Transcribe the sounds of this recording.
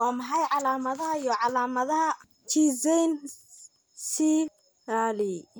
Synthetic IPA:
ɑːmɐħɑjʕɑlaːmɐðɐɦɐjɔʕɑlaːmɐðɐɦɐ | t͡ʃʰiːsɛjn | si | aːli

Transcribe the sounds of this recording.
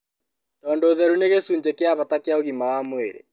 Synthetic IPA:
tɔːndoːðɛɾuneɣesuːɲd͡ʑekeaβatakeaoɣimawamoeɾḛ

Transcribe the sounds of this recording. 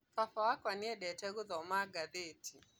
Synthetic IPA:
fafawakwaniɛɗɛtɛɡuðɔmaɡaðetʰi

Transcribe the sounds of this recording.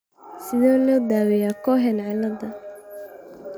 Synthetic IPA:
sɪðɔːlɔːd̪aːwɛjakʰɔɦɛnʕɪlɐd̪ɐ

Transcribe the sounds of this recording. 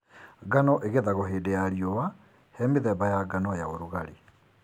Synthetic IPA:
ɡanɔʔeɣeðaɣoɦeːdejaɾiɔwa | hɛmeðɛβajaɡanɔjaoɾuɣaɾe

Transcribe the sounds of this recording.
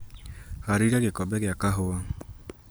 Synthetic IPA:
haɾiɾaɣekɔbɛɣeakaɦoa

